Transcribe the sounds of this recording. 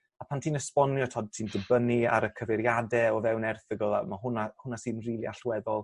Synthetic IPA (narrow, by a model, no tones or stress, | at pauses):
apʰantʰiːnəspɔnjɔtʰɔd̚tʰiːndəbənia̰ɾəkʰəvɪɾjadɛɔvɛwnɛrθəɡɔlˠa̰mahʊnahʊnasɨːnriːlˠiaɬwɛðɔlˠ